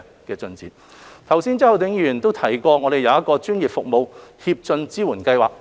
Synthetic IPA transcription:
kɛː˧t͡sɵ˧nt͡siː˨˥t | t̪ʰɐ˨˩wsiː˥nt͡sɔ˥hɐ˨wt̪ɪ˨˥ŋjyː˨˧jyː˨˩nt̪o˥wt̪ʰɐ˨˩jkɔː˧ŋɔː˨˧ɾe˨jɐ˨˧wjɐ˥t̚kɔː˧t͡ʃyː˥njiː˨˩p̚fʊ˨k̚mo˨˧whiː˧p̚t͡sɵ˧nt͡siː˥wuː˨˩nkɐ˧jwaː˨k̚

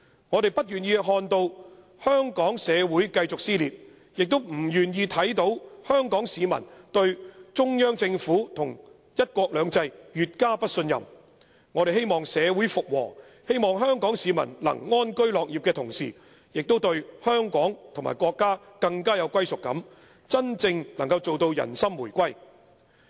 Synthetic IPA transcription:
ŋɔː˨˧ɾe˨jpɐ˥t̚jyː˨˩njiː˧ɦɔː˧nt̪o˧w | hœː˥ŋkɔː˨˥ŋsɛː˨˧wuː˨˥jkɐ˧jt͡sʊ˨k̚siː˥liː˨p̚ | jɪ˨k̚t̪o˥wm̩˨˩jyː˨˩njiː˧t̪ʰɐ˨˥jt̪o˨˥whœː˥ŋkɔː˨˥ŋsiː˨˧mɐ̰˨˩nt̪ɵ˧ɥt͡ʃʊ˥ŋjœː˥ŋt͡sɪ˧ŋfuː˨˥t̪ʰʊ˨˩ŋ | jɐ˥t̚kʷɔː˧k̚lœː˨˧ŋt͡sɐ˧jjyː˨t̚kaː˥pɐ˥t̚sɵ˧njɐ̰˨˩m | ŋɔː˨˧e˨jɦe˥jmɔː˨˩ŋsɛː˨˧wuː˨˥jfʊ˨k̚wɔ̰ː˨˩ | he˥jmɔː˨ŋɦœː˥ŋkɔː˨˥ŋsiː˨˧mɐ̰˨˩nlɐ̰˨˩ŋŋɔː˥nkɵ˥ɥlɔː˨k̚jiː˨p̚kɛː˧t̪ʰʊ˨˩ŋsḭː˨˩ | jɪ˨k̚t̪o˥wt̪ɵ˧ɥhœː˥ŋkɔː˨˥ŋt̪ʰʊ˨˩ŋma̰ː˨˩jkwɔː˧kːaː˥kɐ˧ŋkaː˥jɐ˨˧wkʷɐ˥jsʊ˨kːɐ̰˨˥m | t͡sɐ˥nt͡sɪ˧ŋlɐ˨˩ŋkɐ˧wt͡so˨wt̪o˧wjɐ̰˨˩nsɐ˥mːuː˨˩jkʷɐ˥j

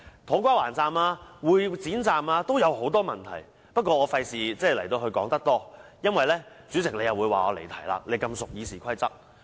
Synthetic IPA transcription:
t̪ʰo˨˥kʷaː˥waː˨˩nt͡saː˧maː˧wuː˨˧jt͡siː˨˥nt͡saː˨˧maː˧t̪o˥wjɐ˨˧who˨˥wt̪ɔː˥mɐ˨˩nt̪ʰɐ̰˨˩j | pɐ˥t̚kʷɔː˧ɔː˨˧fɐ˧jsiː˨˩t͡sɛː˥˩lɐ˨˩jt̪o˧wɦɵ˧ɥkɔː˨˥ŋt̪ɐ˥k̚t̪ɔː˥jɐ˥nwɐ˨jlɛː˥ | t͡syː˨˥t͡sɪ˨k̚le˨˧jɐ˨wu˨˧jwa̰ː˨ɔː˨˧lḛ˨˩t̪ʰɐ˨˩jla̰ː˧k̚le˨˧jkɐ˧msʊ˨k̚jiː˨˧siː˨˩kʷʰɐ˥jt͡sɐ˥k̚

